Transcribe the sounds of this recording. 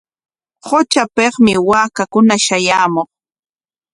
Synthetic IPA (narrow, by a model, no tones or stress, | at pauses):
hot͡ʃapeχmɪwaːkakʊnaʃajaːmoχ